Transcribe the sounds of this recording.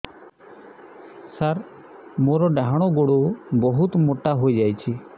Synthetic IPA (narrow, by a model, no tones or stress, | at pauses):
saɾ | moɾɔɖaɦaɽ̃ɔɡoɽobɔɦut̪moʈaɦojd͡ʒajt͡ʃʰi